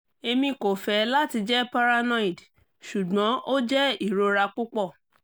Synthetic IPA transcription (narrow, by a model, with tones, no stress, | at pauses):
e˧mĩ˧ko˨fɛ˨˦la˦ti˧d͡ʒɛ˦pa˦ɾa˧nã˦i˨d | ʃu˨ɡ͡bɔ̃˨˦ʔo˦d͡ʒɛ˦i˦˨ɾo˧ɾa˧k͡pu˦k͡pɔ˦˨